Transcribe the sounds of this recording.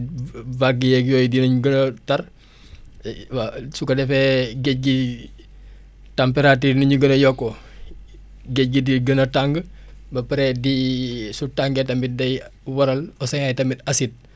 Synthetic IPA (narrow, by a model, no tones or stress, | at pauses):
baɡijɛkjojdinuɲuɡənɐtɐɾ | wasukɐdɛfɛɡec̚ɡi | tampeɾatiːnuɲuɡənɐjɔkːo | ɡec̚ɡidiɡənɐtaŋɡə | bɐpɐɾɛdisutaŋɡetɐmbit̚dɐjwɐɾɐlɔsɐŋajtɐmbitɐsit̚